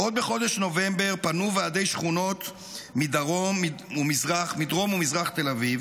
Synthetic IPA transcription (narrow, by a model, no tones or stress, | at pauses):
ʔod̪beχo̞d̪eʃno̞vembe̞ʁpanuvaad̪e̞jʃχuno̞t̪ | mid̪aʁomiumizʁaχmid̪ʁo̞mumizʁaχt̪elaviv